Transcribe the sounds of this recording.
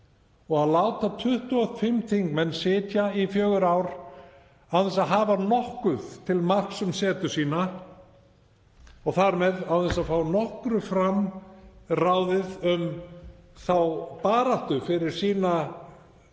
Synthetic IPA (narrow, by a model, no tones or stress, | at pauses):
ɔɣaðlaːwt̪at̪ʰʏht̪uaðfɪmt̪ʰiŋkmɛnːsɪːt̪jaifjœːɣʏɾaːwɾ | aðɛnsaðɦaːvanɔhkʏð̥t̪ʰɪlmar̥ksʏmsɛːt̪ʏsiːna | ɔɣθaɾmɛðaðɛnsaðfawnɔhkɾʏfɾam | raːwðɪðʏm | θawpaːɾaht̪ʏfɪɾɪɾ̥siːna